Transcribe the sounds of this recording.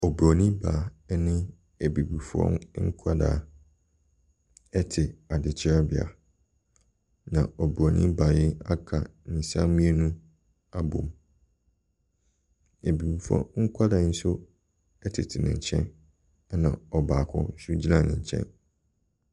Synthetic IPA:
ɔ˨bɾo˨nĩ˦ba˨˦nɪ̃˦ | e˨bi˨bu˨fɔ̰̃˦ŋ˦ŋ̩˦kʷʰa˦da̰˨ | ɛ˦tʰɪ˨a˨dɪ˨t͡ɕʰɪ˦a˦bi˨a̰˨ | nã˨ɔ˨bu˨ɾo˨nḭ̃˦ba˨jɪ˦a˦kʰa˨nɪ̃˨sã˦mĩ˦e˦nũ˦ | a˦bõ̰˨m | e˨bi˨bu˨fɔ̰̃˦ŋ̩˦kʰʷa˦da˨˦n̩˦sʊ˦ | ɛ˦tʰɪ̰˨tʰɪ˨nɪ̃˨ɲ˨t͡ɕʰɛ̰̃˦n˦ | nã̰˨ɔ˨baː˨kʰʊ̰̃˦n̩˦sʊ˦d͡ʑi˦nã˨nɪ̰̃˨ɲ˨t͡ɕʰɛ̰̃˦n

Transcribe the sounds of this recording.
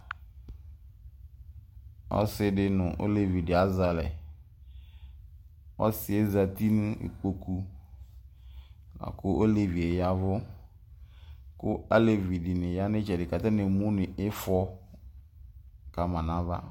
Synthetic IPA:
ɔ̰˦sɪ˦dɪ˦nʊ̃˨ʔo̰˦le˨vi˨dɪ˨a˦za˨lɛ˨ | ɔ̰˦sɪ˨e˦za˨ti˦nʊ̃˦ɪ̰˨k͡po˨ku˦ | na̰˨kʊ˦o˦le˨vi˨e˨ja˦vʊ˦ | kʊ˦a˦le˨vi˨dɪ˨nɪ̃˨ja˦nɪ˦t͡ʃɛ˨dɪ˨ka˨ta˦nɪ̃˨mũ˦nɪ̃˨ɪ˦fɔ˦ | ka˨mã˨nã˦va̰˦

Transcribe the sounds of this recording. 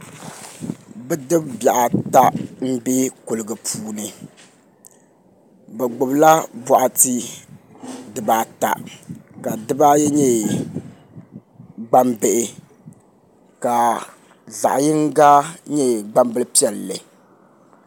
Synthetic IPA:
bɛ˦dɨ˦bbja˨ʔa˨ta˦m̩˦be˦kʊ˨lɨ˨ɡɨ˨pʰuː˦nɨ˨ | bɛ˨ɡ͡bʊ˨bla˦bɔ˨ʔa˨ti˦ | dɨ˨baː˨ta̰˨ka˨dɨ˦ba˦jɛ˦ɲɛ˦ | ɡ͡ba˦mbe˨ʔɪ˨ | ka˨ | za̰˨ʔa˨jɪ˦ŋ˦ɡa˦ɲɛ˦ɡ͡ba˦mbɨ˦lpi˦ɛ˨lːɨ˨

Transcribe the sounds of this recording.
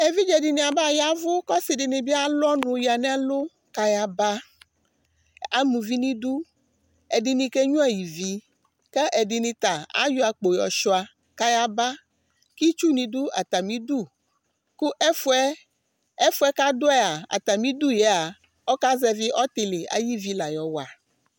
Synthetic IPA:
e˨vi˦d͡ʒɛ˨di˨nĩ˨a˨ba˦˨ja˦vo˦kɔ˦si˨ɖɪ˨nẽ˨bi˦a˦lɔ˦nũ˨ja˨nɛ̃˦lo˦ | ka˦ja˨ba˦ | a˨mũ˨vi˦nĩ˦d̪u˦ | ɛ˨di˨nĩ˨ke˦ɲũ˦ɛ˨ji˨vi˦ | kɛ˦ʔɛ˨ɖi˨nĩ˨t̪a˨a̰˦jɔ˦a˨k͡po˨jɔ̰˨ʃɔ˨a˨ | ka˦ja˦ba˦ | ki˦t͡ʃu˦nĩ˨d̪u˦a˨t̪a˨mĩ˦d̪u˦˨ | ku˦ʔɛ˦fɛ˦ | ɛ˦fo˦ɛ˦ka˦d̪o˦ɛ˦a˨a̰˨t̪a˨mĩ˦d̪u˦jɛ˨˦a˨ | ɔ˦ka˦zɛ˦vi˦ʔɔ˦t̪e˨le˨a̰˨ji˦vi˦la˨jɔ˨wa˨

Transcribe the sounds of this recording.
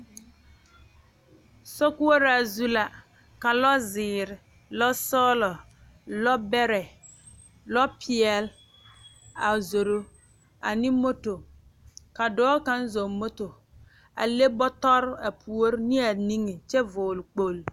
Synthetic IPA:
so˦ku˦o˦ɾa˨zu˦la˨ | ka˨lɔ˦zɪː˨ɾɪ˨ | lɔ˦sɔː˦lɔ˨ | lɔ˦bɛ˦ɾɛ˨ | lɔ˦pʰi˨ɛ˨l | a˨zo˨ɾo˦ | a˨ni˦mo˦to˨ | ka˨dɔː˦ka˦n˦zo˨mo˦to˨ | a̰˨le˦bɔ˦tɔ˦ɾa˨pʰu˨˦o˦ɾni˦a˨ni˦ŋe˨t͡ʃɛ˦vʊː˨lk͡po˨l

